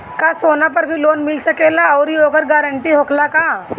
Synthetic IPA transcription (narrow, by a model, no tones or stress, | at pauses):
kasoːnapɐɾbʱiloːnmɪlsɐkelaɔːɾioːkəɾɡaːɾə̃ɳʈiɦoːkʰlakaː